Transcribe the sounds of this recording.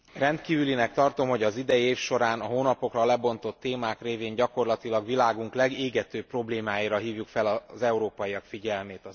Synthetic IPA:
rɛnt̪kiːvylinɛkt̪ɒrt̪o̞mho̞ɟɒzid̪ɛjeːfʃo̞ɾaːnɒɦoːnɒpo̞krɒlɛbo̞nt̪o̞t̪ːeːmaːkreːveːɲɟɒko̞rlɒt̪ilɒɡʋilaːɡuŋklɛɡeːɡɛt̪øːpːro̞bleːmaːjiːɾɒɦiːvjukfɛlɒzɛuɾoːpɒjijɒkfiɟɛlmeːt̪ɒ

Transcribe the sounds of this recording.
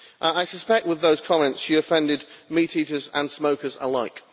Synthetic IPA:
ʔəaɪsəspɛk̚t̚wɪðəʊz̥kʰɒmɛ̃ntsʃiəfɛ̃ndɪdmiˑtʰiˑtəzə̰̃nsməʊkəzə̰laɪk

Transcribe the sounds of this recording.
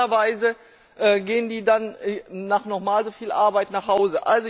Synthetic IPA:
ɐvaɪzə | ʔɛːɡeːəndiːdanːaːχnɔχmaːlzofiːlʔa̰ɐbaɪtnaːχhaʊzəʔa̰lzo

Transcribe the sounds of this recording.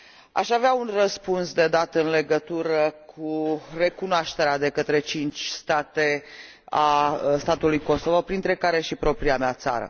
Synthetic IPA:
a̰ʃaveaunrəspunsd̪e̞d̪at̪ɨnle̞ɡət̪uɾəkʰure̞kunoaʃt̪e̞ɾead̪e̞kət̪ɾe̞t͡ʃint͡ʃʲst̪at̪e̞ | ast̪at̪ulujko̞sovopɾint̪ɾe̞kaɾe̞ʃipɾo̞pɾiameat̪sa̰ɾə̰

